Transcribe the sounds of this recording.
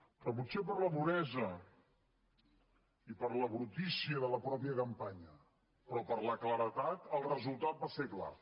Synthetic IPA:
pɾɔput̪sep̬əɾləpuɾɛzə | ipəɾləβɾut̪isiəðələpɾɔpjiəkəmpaɲə | pɾɔpəɾləkləɾət̪at̪əlˠrəzulˠt̪at̪̚basekla̰

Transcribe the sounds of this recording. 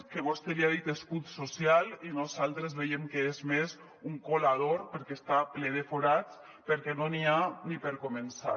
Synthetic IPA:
keβost̪eliaðit̪eskut̪sosjalinozalˠt̪ɾezβejemkeezmes | uŋkolaðoɾpeɾkest̪apleð̞efoɾat͡s | peɾkɛnonianipeɾkomensa̰

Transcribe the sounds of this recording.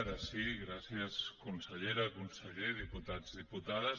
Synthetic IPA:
ɾasiɣɾasjaskunseʎeɾakunseʎeðiput̪ad͡zðiput̪aðas

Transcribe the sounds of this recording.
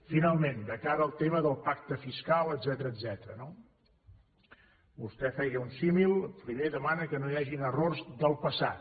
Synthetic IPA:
finalˠmend̪əkaɾəːlˠt̪eməðəlˠpak̚t̪əfiskalˠəd̪zɛt̪əɾəːd̪zɛt̪əɾəno | bust̪ɛfɛɣəunsimilˠfɾimeðəmanəkənojaʒinərorzðəlˠpəsa̰t̪

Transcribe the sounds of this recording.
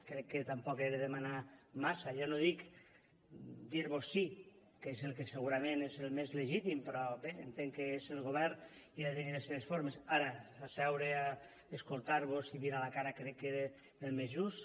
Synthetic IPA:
kɾɛkːet̪ampɔkeɾeðemanamasaʒɔnoðik | d̪iɾβosːi | kezelˠkeseɣuɾamẽnezelˠmezleʒit̪impɾɔbeent̪eŋkeezelɣoβ̞ɛɾn | iðet̪eniðeseðesfoɾmesaɾaasɛwɾea | eskolˠt̪aɾβosiβiɾalakaɾakɾɛkːeɾe | elˠmezʒus

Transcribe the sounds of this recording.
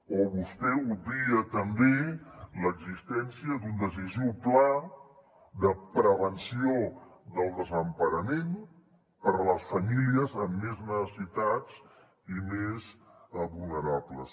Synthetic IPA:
oβust̪ɛud̪ɾiət̪əmbeləɡzist̪ɛnsiəd̪und̪əsiziwpla | ðəpɾəβ̞ənsioðəlˠd̪əzəmpəɾəmen | pəɾələsfəmiliəzəmːeznəsəsit̪ad͡z | imezβulˠnəɾabləs

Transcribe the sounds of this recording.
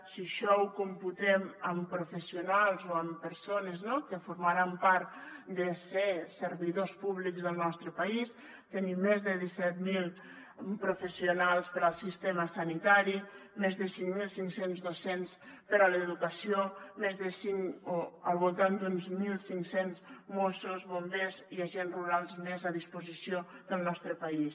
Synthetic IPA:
siəʃɔukumput̪ɛməmpɾufəsiunalˠzoəmpəɾsonəznokəfuɾmaɾampaɾt̪d̪əsesəɾβiðospuβlikzðəlˠnɔst̪ɾəpais | t̪enimːezðəðisɛt̪milˠ | pɾufəsiunalˠspəɾəlˠsist̪eməsanit̪aɾimezðəsiŋmilˠsiŋsenzðosenspəɾələðukəsiomezðəsiŋoəlˠβulˠt̪and̪unzmilˠsiŋsenzmosuzβombeziaʒenzruɾalˠzmezaðispuzisiod̪əlˠnɔst̪ɾəpais

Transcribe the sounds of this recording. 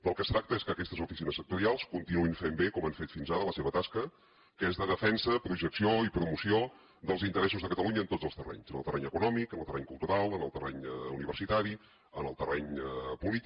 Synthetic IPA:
bəlˠkəst̪ɾak̚t̪əeskəːkɛst̪əzufisinəsːək̚t̪uɾialˠskunt̪inuinfembekɔmaɱfet̪finzaɾələseβət̪askə | kəezðəðəfɛnsəpɾuʒəksioipɾumusio | d̪əlˠzint̪əɾɛsuzðəkət̪əluɲəːnt̪od͡zzəlˠst̪ərɛ̰ɲzənə̰lˠt̪ərɛɲəkunɔmikənəlˠt̪ərɛɲkulˠt̪uɾalˠənə̰lˠt̪ərɛ̰ɲəuniβərsit̪aɾi | ənəlˠt̪ərɛɲəpulit̪i

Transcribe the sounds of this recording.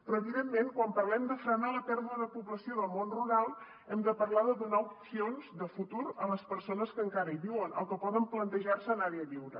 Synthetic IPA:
pɾɔəβiðemːeŋkwampərlɛmd̪əfɾənalət̪ɛɾβuəðəpuβləsioðəlˠmonruɾalˠ | ɛmd̪əpəɾlaðəðunaupsionzd̪əfut̪uɾələspəɾsonəskəŋkaɾəiβiwənə̰lˠkəpɔðəmplənt̪əʒarsəːnaɾeəʎiwɾə

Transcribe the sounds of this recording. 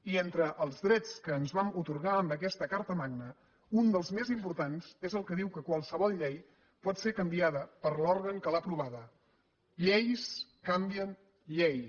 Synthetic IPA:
ient̪ɾəʔəlˠzðɾɛt͡skəːnzβamut̪uɾɣaəmbəkɛst̪əkaɾt̪əmaɡ̚nə | und̪əlˠzmezimpuɾt̪anz̥ezəlˠkəðiwkəkwalˠsəβɔlˠʎej | pɔt̪seɾkəmbiaðəpəɾlɔɾɣəŋkəlapɾuβ̞aðə | ʎejskambiən | ʎej

